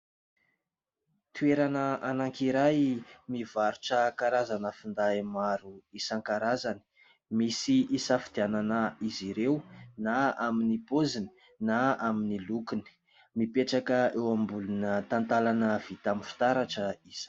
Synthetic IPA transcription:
t̪ueɾanəanaŋkiɾajmivaɾuʈ͡ʂəkaɾazanəfund̪aimaɾuisaŋkaɾazani̥ | misiisafid̪̥iananəiziɾewnaaminipozini̥ | naaminilukuni̥ | mipeʈ͡ʂakəewambulunət̪ant̪alanəv̥it̪aminfi̥t̪aɾaʈ͡ʂəiz̥

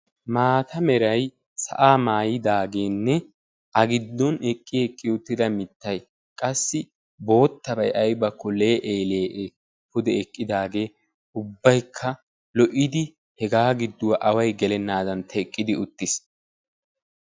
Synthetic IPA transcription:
maːt̪ʰɐmɛɾɐj | sɐ̰ʔaːmaːjɪd̪aːɡe̞ːnːɛ | ʔɐɡɪd̪ːɔnɛkʼːɪɛkʼːɪʊt̪ːɪd̪ɐmɪt̪ːɐj | kʼɐsːɪ | bo̞ːt̪ːɐbɐjɐjbɐkːɔle̞ːʔeːleːʔe | hʊd̪ɛɛkʼːɪd̪aːɡe̞ː | ʊbːɐjkʰːɐ | lɔʔɪd̪ɪ | hɛɡaːɡɪd̪ːʊwɐʔɐwɐjɡɛlɛnːaːd̪ɐnt̪ʰɐɛkʼːɪd̪ɪʊt̪ːɪs

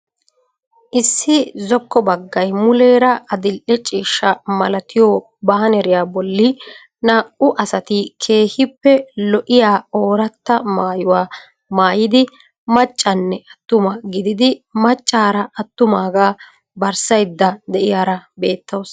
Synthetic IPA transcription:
ʔɪsːɪzɔkːɔbɐɡːɐjmʊle̞ːɾɐɐd̪ɪlʔɛt͡ʃʼiːʃːɐmɐlɐt̪ʰɪjɔ | bɐːɐnɛɾɪjaːbɔlːɪ | naːʔʊʔɐsɐt̪ɪkʰe̞ːhɪpːɛlɔʔɪjaːoːɾɐt̪ːɐmaːjʊwaː | maːjɪd̪ɪ | mɐt͡ʃʼːɐnːɛʔɐt̪ːʊmɐɡɪd̪ɪd̪ɪmɐt͡ʃʼːaːɾɐʔɐt̪ːʊmaːɡaː | bɐɾsɐjd̪ːɐd̪ɛʔɪjaːɾɐbe̞ːt̪ːɐws

